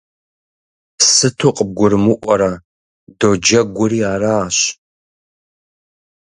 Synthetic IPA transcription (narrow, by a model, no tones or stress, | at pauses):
sɨtʰuqʼəb̚ɡʷʊrɨmɨʔʷɔɾɐ | dod͡ʒɐɡʷʊɾiːaːɾaːɕ